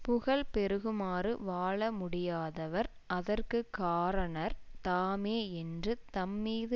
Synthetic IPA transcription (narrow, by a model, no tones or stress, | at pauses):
pʊɣɐɭpɛɾɯɣɯmaːrɯʋaːɭɐmʊɽɪjaːðɐʋɐɾ | ʔɐðɐrkɯkːaːɾɐɳɐɾt̪aːmeːɛndrɯt̪ɐmːiːðɯ